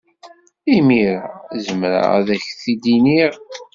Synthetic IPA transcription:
imiɾazəmɾa̰ʁæ̰ðæçθid̪iniʁ

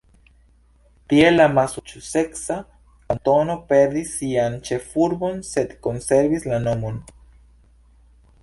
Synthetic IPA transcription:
t̪jelamasut͡ʃuseksa | ant̪onopeɾd̪isiant͡ʃefuɾβonset̪konseɾβislanomun

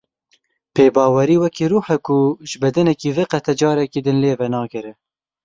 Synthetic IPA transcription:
peːbɑːwɛɾiːwɛkiɾuːħɛkʰʊʒɨbɛd̪ɨnɛkiːvɨqɛt̪ʰɛd͡ʒɑːɾɛkiːd̪ɨnleːvɛnɑːkɨɾɨ

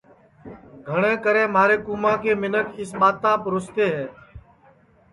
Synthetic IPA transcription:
ɡʱəɳẽːkəɾẽːmaːɾeːkuːmãːkeːmɪnəkɪsɓaːt̪ãːpɾʊst̪eːɦɛː

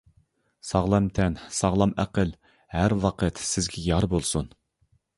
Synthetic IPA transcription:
sɑʁlˠɑmt̪ʰɛnsɑʁlˠɑmæqəl | hæɾwɑqʰət̪sɪzɡʲɛjɑɾbolˠsun

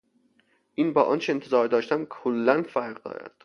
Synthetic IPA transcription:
ʔiːnbɒːʔɒnt͡ʃʰeent̪ʰezɒːɾd̪ɒːʃt̪æmkʰolːænfæɾʁd̪ɒ̰ːɾæ̰d̪̥

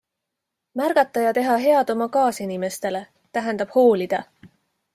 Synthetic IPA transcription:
mærɡ̥ɑt̪ˑːɑjɑt̪e̞ɦɑɦe̞ɑd̪o̞mɑkɑːsinime̞st̪e̞le̞ | t̪æɦɛnd̪̥ɑb̥ho̞ːlid̪̥ɑ

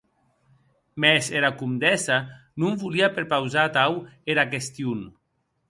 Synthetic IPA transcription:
mɛseɾakumd̪ɛsanuɱvuliapeɾpawzat̪aweɾakest̪jun

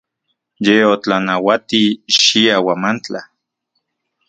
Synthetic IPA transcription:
jeot͡ɬanawat̪iʃiawamant͡ɬa

